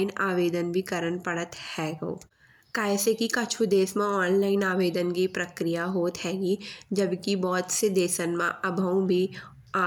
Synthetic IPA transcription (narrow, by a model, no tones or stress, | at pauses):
ɪnaːʋeːd̪ənbʱikɐɾənpɐɽət̪hɛːɡo̰ː | kaːjsekikɐt͡ʃʰud̪eːsmãɔːnlaːɪnaːʋeːd̪ənkipɾɐkɾijaɦoːt̪hɛːɡid͡ʒɐbkibɔːt̪sed̪eːsənmãɐbʱəũbʱi | a